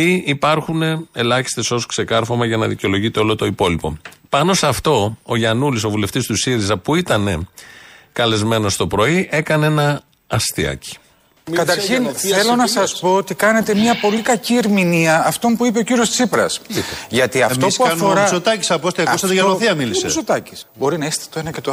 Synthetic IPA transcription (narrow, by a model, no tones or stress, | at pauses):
iipɐɾxune̞elɐçi̥st̪e̞so̞skse̞kɐɾfomɐʝɐnɐðiceo̞lo̞ʝit̪eo̞lot̪o̞ipo̞lipo̞̰pɐno̞sɐft̪o̞oʝɐnuliso̞vuleft̪ist̪usiɾizɐpuit̪ɐne̞ | kɐle̞zme̞no̞st̪o̞pɾo̞iʔe̞kɐnenɐː | st̪iɐ̰ci̥ | kɐt̪ɐɾçinθelonɐsɐspo̞ot̪ikɐne̞t̪e̞miɐpo̞likɐcieɾminiɐɐft̪o̞mpuipe̞ociɾiost̪i̥sipɾɐsʝɐt̪iɐft̪o̞puɐfoɾɐsot̪ɐci̥sɐpost̪iɐust̪ɐt̪ʝɐnoθiɐmilissesot̪ɐci̥sbo̞ɾinɐest̪ɐ̥t̪oenɐcet̪o